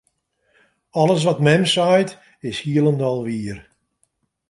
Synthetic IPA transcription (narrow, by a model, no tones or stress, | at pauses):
ɔlˠəs̬ʋɔtmɛmsajt | ɪshiəlˠəndɔlˠʋiər